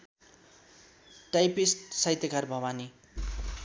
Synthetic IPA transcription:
ʈajpisʈsajt̪jakarbʱʌwani

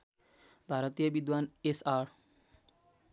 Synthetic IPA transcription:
bʱaɾɔt̪ijʌbid̪wanesaɾ

